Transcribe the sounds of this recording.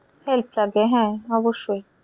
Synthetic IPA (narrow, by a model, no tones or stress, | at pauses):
helpʰlaɡbeɦɛ̃ɔboʃːoj